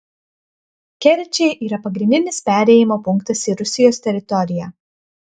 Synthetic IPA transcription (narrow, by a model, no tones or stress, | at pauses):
kʲɛɾʲɪt͡ʃʲɛɪʔiːɾɐpɐɡɾʲɪ̃nʲd̪ʲɪnʲɪspʲæːˑɾʲɛːjɪmoːpʊŋˑkt̪ɐsiːɾʊsʲɪjoːsʲt̪ʲɛɾʲɪt̪ɔɾʲɪjɛ